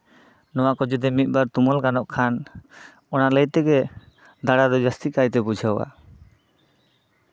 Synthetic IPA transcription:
nɔwaʔkɔd͡ʒɔd̪ɛmit̪̚ˀbaɾt̪umɔlkanɔʔkʰan | ɔnaləjt̪ɛɡɛ | d̪aɽad̪ɔd͡ʒast̪ikajt̪ɛbud͡ʒʱawa̰

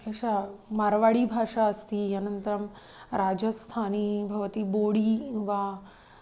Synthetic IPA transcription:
eɕamaɾʋaɽiːbʱaːʂaəst̪iːɐnənt̪əɾɐm | ɾaːd͡ʒɐst̪ʰaːnibʱɐʋt̪iboɽiːʋa

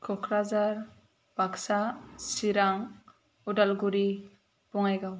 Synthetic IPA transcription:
kʰɔkʰɾazaɾ | b̥aksasiɾaŋ | ɔɖalɡuɾi | bɔŋajɡaw

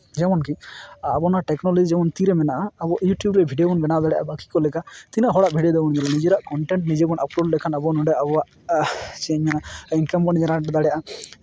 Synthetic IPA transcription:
d͡ʒɛmɔnkiapɔnaʈɛknɔlɔd͡ʒid͡ʒɛmɔnt̪iɾɛmɛnaʔaːbɔʔjuʈjubɾɛbʱiɖiɔbɔnbɛnaʔd̪aɽɛjʔa̰baki̥kɔlɛkat̪inaʔɦɔɽaʔbʱiɖɛd̪ɛbɔnd͡ʒɛlanid͡ʒɛɾaʔkɔɳʈɛɳʈnid͡ʒebɔnʔapɾolɛkʰanabɔnɔɖɛʔabɔwaʔ | t͡ʃɛɲanainkambɔnid͡ʒɛɾaʈd̪aɽjʔa

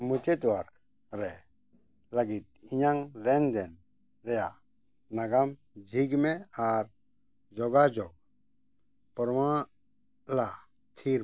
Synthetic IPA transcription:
mut͡ʃet̪waɾk | ɾɛ | laɡit̪̚iɲaŋɾɛnd̪ɛn | ɾɛja | naɡam | d͡ʒʱiɡmɛaɾ | d͡ʒɔɡad͡ʒɔɡ̚ | pɔɾma | la | t̪ʰiɾ

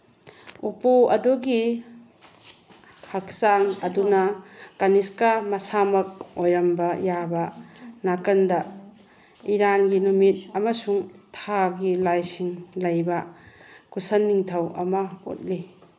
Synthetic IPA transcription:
upuɐduɡi | hɐk̚saŋɐdunɐkaniskamɐsamɐk̚ojɾɐmbɐjabɐnakɐndɐ | iɾanɡinumit̚ɐmɐsuŋtʰaɡilajsiŋlɐjbɐkʰusɐnːiŋtʰɐwʔɐ̰mɐo̰t̚li

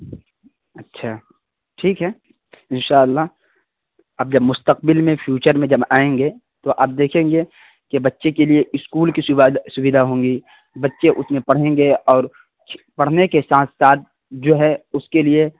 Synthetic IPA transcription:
ɐtːʃʰaː | ʈʰiːkɦɛː | ɪnʃaːəlːa | ɐb̚d͡ʒɐbmʊst̪əq̚bɪlmẽpʰjuːt͡ʃəɾmẽd͡ʒɐbaːẽːŋɡe | t̪oʔɐb̚d̪eːkʰẽːŋɡe | kebɐtːʃekelieʔɪskuːlkisʊbɪd̪ʱaɦõːŋɡi | bɐtːʃeʔʊsmẽpɐɽ̤ẽːŋɡeɔːɾ | pɐɽ̤nekesaːt̪saːt̪̚ | d͡ʒoːɦɛʊskelie

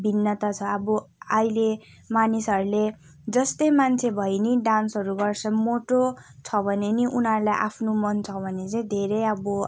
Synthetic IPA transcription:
bʱinːʌt̪at͡sʰʌʌbʌajle | manisʌɾule | d͡zʌst̪ʌjmant͡sʰebʱʌjniɖansʌɾuɡʌrt͡sʰʌmoʈot͡sʰʌbʱʌneniʔunɦʌɾulajʔapʰnomʌnt͡sʰʌbʱʌnet͡saĩd̪ʱeɾejʌbʌ

